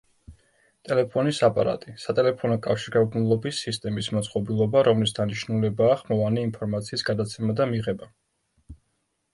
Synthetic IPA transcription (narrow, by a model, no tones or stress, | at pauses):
t̪ʼɛlɛpʰɔnisapʼa̰ɾa̰t̪ʼisat̪ʼɛlɛpʰɔnɔkʼafʃiɾɡaɡnulˠɔbisist̪ʼɛmismat̪sʼqʼɔbilˠɔbaɾɔmlisd̪aniʃnulɛbaːχmɔvanɛinpʰɔɾmat̪sʰiːsɡ̥ad̪at̪sʰɛmad̪amiʁɛba